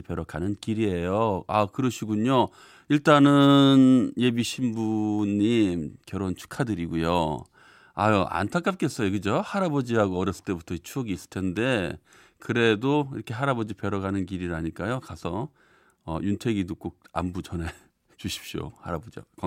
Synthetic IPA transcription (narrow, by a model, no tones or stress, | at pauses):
ipeɾʌkanɯnkiɾie̞joakɯɾʌɕʰiɡuɲo | iɭt͈anɯnje̞biɕʰimbuɲːimkjʌɾont͡ɕʰu̥kʰadɯɾiɡujo̰ | a̰ʔa̰ntʰak͈ap̚k͈e̞s͈ʌjokɯd͡ʑohaɾabʌd͡ʑiɾaɡoʌɾjʌs͈ɯ̥ɭt͈e̞butʰʌit͡ɕʰuʌɡiːs͈ɯ̥ɭtʰe̞nde̞ | kɯɾe̞doḭɾʌkʰe̞ɦaɾabʌd͡ʑipeɾʌɡanɯnkiɾiɾaɲik͈ajokasʰʌ | ʌjuntʰwe̞ɡidok͈ok̚a̰mbut͡ɕʌne̞ | t͡ɕuɕʰi̥p̚ɕ͈o̰haɾabod͡ʑḭka